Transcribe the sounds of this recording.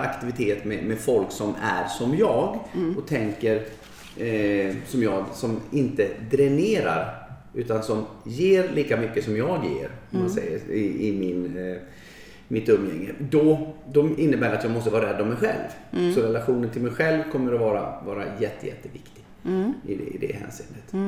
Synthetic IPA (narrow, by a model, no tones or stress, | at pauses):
akt̪ɪvɪt̪ʰeːt̪mɛmɛfɔlksɔmæ̰ɾsɔmjɑːɡɔt̪ʰɛŋkəɾ | sɔmjɑːɡsɔmɪnt̪əd̪ɾɛneːɾa̰ɾ | ʉ̟ːt̪ansɔmjeːɾliːkamʏkːəsɔmjɑːɡjḛːɾɔmmansɛ̰jə̰ɪɪmɪn | mɪt̪ɵmjɛ̰ŋːəd̪ɔd̪ɔɪnːəbæːɾat̪jɑːɡmɔst̪əvɑːɾaɾɛd̪ːavmɛjɧɛ̰lvsɔɾɛlaɧuːnənt̪ʰɪlmɛjɧɛlvkʰɔmːəɾɔvɑːɾa̰vɑːɾa̰jɛt̪ːəjɛ̰t̪ːəvɪkt̪ɪɡ̥ | ɪɪ̰d̪ɛ̰hæ̰ːnsɪːnːət̪